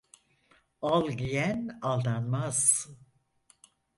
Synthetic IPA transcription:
alˠɟijænalˠd̪anmaz̥

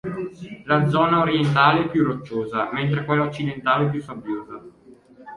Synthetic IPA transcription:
lad̪zɔːnaoɾient̪̬aːleɛpːjurːot͡ʃːoːzament̪̬ɾekwelːaot͡ʃːid̪ent̪aːleɛp̬jusabjoːza

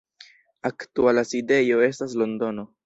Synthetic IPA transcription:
aktualaside̞jo̞e̞staslo̞ndo̞no̞

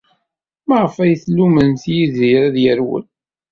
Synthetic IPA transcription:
məʁəfæjθlːumənθjiðiɾæðjəɾwə̰n

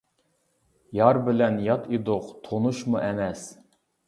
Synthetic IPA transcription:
jɑɾbɪlɛnjɑt̪ʰid̪ʊqt̪ʰonuʃmuʔɛmɛs

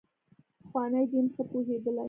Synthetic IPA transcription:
xwɑnajd͡ʒ̪inxəpuɦed̪əla

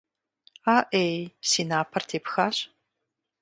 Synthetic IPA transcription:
aːʔejsinaːpʰɐrtʰepʰxaːɕ

